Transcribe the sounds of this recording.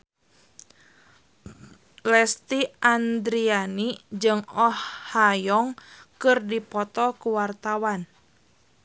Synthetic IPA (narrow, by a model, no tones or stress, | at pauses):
lɛst̪iʔand̪ɾianid͡ʒɨŋɔhːajɔŋkɨrdipɔt̪ɔkuwart̪awan